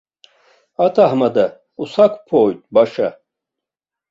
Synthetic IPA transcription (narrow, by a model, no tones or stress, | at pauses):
at̪ʰahmad̪ɐ | usakʰpʰoːjt̪ʼbaʃɐ